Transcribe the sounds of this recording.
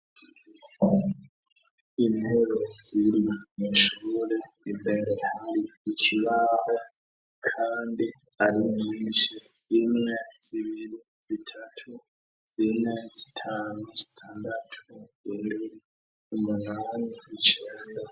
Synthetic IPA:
inheɾo̞d͡ziɾimiʃuːɾe | iveɾehaɾiicʰiβaɾa | kʰaːndi | aɾiminːnʃi | imŋeziβiɾi | z̥itʰatʰu | z̥inet͡si̥tʰaːnuzi̥tʰaːndatʰuindi | umunaːniit͡ʃeːnda

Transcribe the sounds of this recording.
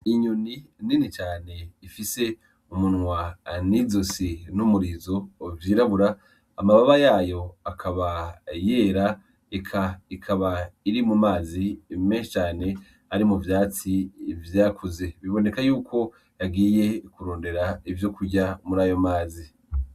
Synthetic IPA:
iɲunininit͡ʃaːne̞ifise̞ | umunŋwanizosinumuɾizo̞vjiːɾaβuɾaː | maβaβajaːjo̞akʰaβajeːɾa | ikʰaikʰaβaiɾimumaːzimeːʃit͡ʃaːne̞ | aɾimuvjaːt͡sivjaːkʰuze̞βiβo̞ne̞kajuːkʰo̞ | jaɡiːje̞kuɾoːnde̞ɾaivjo̞kuɟamuɾaːjo̞maːzi

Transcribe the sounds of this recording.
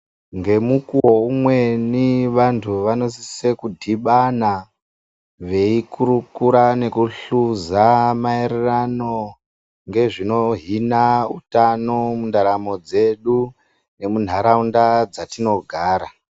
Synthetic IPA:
ŋɡe̞mukuwo̞umweniʋantʰuʋano̞sisekudʱiɓana | ʋe̞ikʰuɾukuɾane̞kuɬuzamaererano̞ | ŋɡe̞ʐino̞ɦinautano̞mundaɾamo̞d͡ze̞ɗu | ne̞mun̤aɾaundad͡zatino̞ɡʱaːɾa

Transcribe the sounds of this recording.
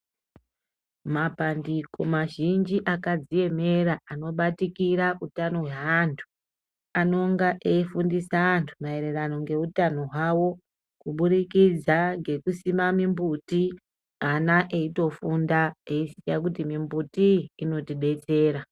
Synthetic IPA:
mapandiko̞maʒind͡ʒiʔakad͡zije̞me̞ɾaano̞ɓatikiɾaʔutano̞ɦweɦantʰu̥ | ano̞ŋɡaʔeifundisaːntʰumae̞ɾe̞rano̞ŋɡe̞utano̞ɦwawo̞ | kuɓuɾikid͡zaŋɡe̞kusimamimbuti | anaʔe̞ito̞fundaeisijakutimimbutiːno̞tiɓe̞t͡se̞ːɾa

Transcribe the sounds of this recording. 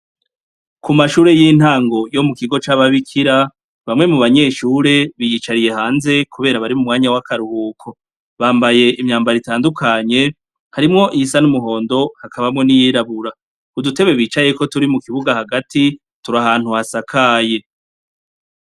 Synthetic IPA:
kumaʃuːɾe̞jin̥haːŋɡo̞jo̞mukiɡo̞t͡ʃaːβaβikʰiɾa | βamŋe̞muβaɲe̞ːʃuːɾe̞βijit͡ʃaɾije̞haːnze̞kuβe̞ːɾaβaɾimumŋaːɲawakaɾuhuːkʰo̞ | βaːmbaje̞ʔimɲaːmbaɾitaːndukʰaɲe̞ | haɾimŋo̞ʔisanumuɦo̞ːndo̞hakʰaβamŋo̞nijiɾaβuɾa | udute̞βe̞βiːt͡ʃaje̞ko̞tuɾimukiβuɡahaɡati | tuɾaɦaːn̥huhasakʰaːje̞

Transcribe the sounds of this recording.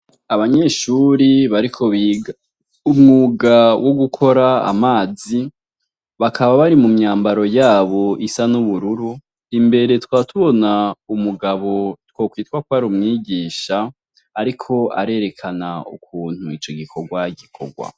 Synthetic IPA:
aβaɲeːʃuɾiβaɾikʰo̞βiːɡa | umŋuɡawʔo̞ɡukʰo̞ɾa̰ːmaːzi | βakʰaβaβaɾimumɲaːmbaɾo̞jaːβo̞ʔisanuβuɾuɾu | imbe̞ɾe̞twaːtʰuβo̞naumuɡaβo̞two̞ːkwiːtkwak̚waɾumŋiːɡiːʃaː | ɾikʰo̞a̰ɾe̞ːɾe̞kʰanaṵkʰuːn̥huit͡ʃo̞ɡikʰo̞ɡwaɡikʰo̞̰ɡwa̰

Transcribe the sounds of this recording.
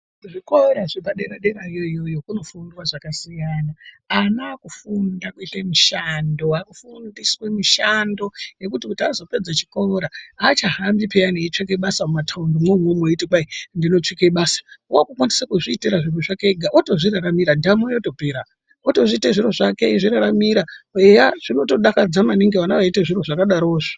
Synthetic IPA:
ʐikoeɾaʐipaɗeɾaɗeɾaijo̞ijo̞jo̞kuno̞fundwaʐakasijana | anaakufundakuitemiʃandoakufundiswemiʃando̞je̞kutikutazo̞pe̞d͡zat͡ʃi̥ko̞ɾaat͡ʃaɦambipejaneit͡ʂek̬eɓasamumatʰaundomwemwomoitikaindino̞t͡ʂikeɓaːsḁwakukwanisakuʐiːteɾaʐiroʐakeɡʱaʔoto̞ʐiɾaɾamiɾandiamojoto̞peɾa | otoʐiteʐiroʐakeʐiɾaɾamiɾaejaʐ̥ino̞to̞ɗakad͡zamaniŋɡiʋanaʋaiteʐiroʐakaɗaɾoːʐi̥

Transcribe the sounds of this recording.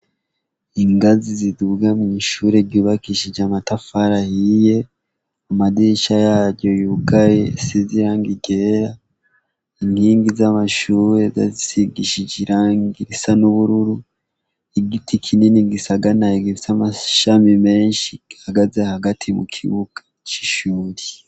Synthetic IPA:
iŋɡaziziduɡamiːʃuːɾe̞ɾɟuːβakiʃid͡ʒamatafaɾahije̞ | amadiʃajaːɾɟo̞juɡajesiziɾaːŋɡiɡe̞ɾa | inhiːŋɡizamaʃuːɾe̞za̰zisiɡiʃid͡ʒiɾaːŋɡiɾisanuβuɾuɾu | iɡitʰikʰininiɡisaɡanaiɡiisamaʃamime̞ːnʃihaɡazehaɡatʰimṵkʰḭβuɡ̥ḁ | t͡ʃi̥ʃuːɾi̥

